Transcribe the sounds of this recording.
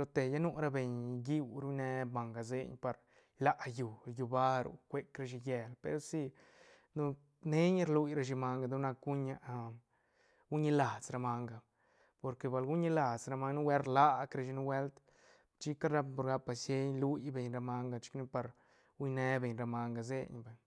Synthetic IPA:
lo˧t̪e˨ja˦nu˦ɾa˦be˨ɲɡi˦wɾu˦ne˧ma˨ŋɡa˨zḛ˦˧ɲpa˨˧ɾ | la˦ʔju˨ju˧ba˦ɾṵ˨kʷe˦kɾa˧ʃi˧je˧lpḛ˧ɾo˦si˧ | nu˦ | ne˦ɲ˦ɾlu˧jɾa˧ʃ̬i˧ma˧ŋɡa˧d̪u˦na˧ku˦ɲa˧ | u˦ɲi˧la˨t͡sɾa˧ma˧ŋɡa˨ | po˧ɾke˧ba˧lɡu˦ɲi˧la˨zɾa˧ma˧˦ŋnu˦we˦ɾla˦kɾe˧ʃi˧nu˦we˦lt̪ | t͡ʃi˦ka˦ɾa˧po˧ɾɡa˧˦pa˧sje˦ɲlu˦jbe˨ɲɾa˧ma˧ŋɡa˧t͡ʃi̥˦knu˦pa˧ɾ | u˦ne˦be˨ɲɾa˧ma˧ŋɡa˧˨zḛ˦ɲba˨ɲ

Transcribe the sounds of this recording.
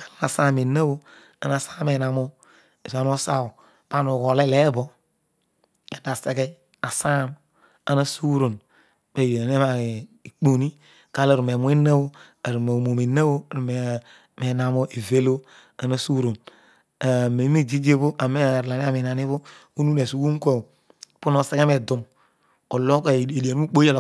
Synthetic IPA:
kḁ˨la˦a˨sa˦˨me˨na˦bo˦ | a̰˨na˨sa˦me˨na˨mo˦ | e˨a˨n˦o˦sa˦o˨ | ba˦nu˨ɣo˨le˦le˦bo˦ | e˨da˨se˨ɡe˦ | a˨sa˦˨m | a˨na˦su˦ɾo˨n | be˨jn˦e˦ma˨ | i˨k͡po˨ni˦ | ka˦le˨ɾu˨me˨mu˦e˦na˦bo˦ | a˨ɾu˨me˨mo˨me˨na˦wo˦˨ɾu˨me˨ | me˨na˨mo˦ʔe˨ve˦lo˦ | a˨na˦˨su˦ɾo˨n | a˨me˨˦e˦d͡ʒi˦d͡ʒe˦bo˦ʔa˨me˦˨ɾla˨ni˦a˦mi˨na˨ni˦βo˦o˦nu˦ne˨su˨wu˦ŋ˦kʷe˦˨ | pu˦no˨se˦ɡe˦me˨du˨m | o˨lo˦ka˨e˨di˨a˨nu˦u˦k͡po˦a˦l

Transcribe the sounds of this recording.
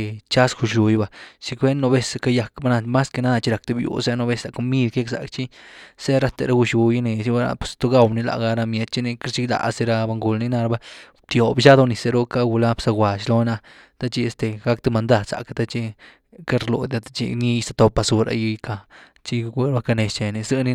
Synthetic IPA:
t͡ʃa˦sɡu˧ʃu˨jba˧t͡ʃi˧kʷe˦nːo˧be˦˧sa˧ka˧ja˧kba˦na˧ma˦ske˧na˦d̪a˧t͡ʃi˦ɾa˨k̚t̪e˧˦bjṵ˨sa˦no˧be˦sa˨ko˧mi˦d̪ke˦ksa̰˨kt͡ʃi˦se˦ɾa˦t̪ḛ˨˧ɾa˦ɡu˧ʃu˧ji˦ne˨si˦ba˧ɾa̰˧pe̥˨st̪o˦ɡa˦˧wni˧la̰˨ɡa˧ɾa˧mje˧˦t̪̚t͡ʃi˦ne˧ki˦ɾt͡ʃi˦la̰˨se˧ɾa˧ba˧ŋɡu˧lni˦na˧ɾa˧ba˧ | t̪jo˨bʃa˦d̪o˧ni˨se˧ɾo˦ka˦˧ɡu˧la˦bsa˧ɡwa˨ʃlo˦na˧ | t̪a˦t͡ʃi˦e˧st̪e˨ɡa˧˦kt̪e˦˧ma˧nd̪a˧d̪sa̰˨kt̪a˦t͡ʃi˧ | ka˦ɾlo̰˨d̪a˧t̪ḁ˦t͡ʃḭ˧ni˦˧st̪a˧t̪o˧pa˧su˧ɾa̰˧ji˧ka˧ | t͡ʃi˦˧ɡe˧ɾba˦ka˧ne˧st͡ʃe˨ni˧sɨ˦˧ni˦

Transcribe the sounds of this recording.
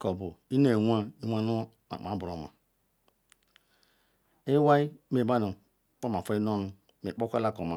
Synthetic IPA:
ko˨bu˨i˦n˦e˨wʷa˦i˦wʷa˦nu˦ | a̰˨m˨a˨˦bu˨ɾo˨ma̰˨ | e˦wa˦i˦me˨ba˦nu˨ | k͡po˦ma˨fo˦i˦no˦nu˨ | me˨k͡po˦kʷe˦la˦˨ko˨ma˨

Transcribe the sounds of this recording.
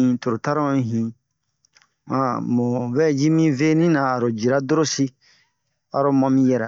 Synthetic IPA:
ĩ˨˦to˨ɾo˨ta˦ɾõ˦ɦĩ˨ | ã˨mo˨vɛ˦d͡ʒi˦mĩ˦ve˦nĩ˦nãː˨ɾo˨d͡ʒi˨ɾa˦do˦ɾo˦si˦ | a̰˨ɾo˦mã˦mĩ˦jɛ˨ɾɛ˨

